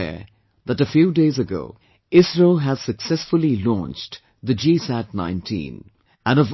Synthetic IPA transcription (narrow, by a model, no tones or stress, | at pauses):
ɛ̰ | ðətɨfjuːdeɪzɨɡo̰ʊ | ɪsɹelˠɦæz̥sɨksɛsfʊlˠilɔ̰̃nt͡ʃ | d̪ɨd͡ʒisæt̚nãɪ̃ntʰḭ̃n | æ̃nʌv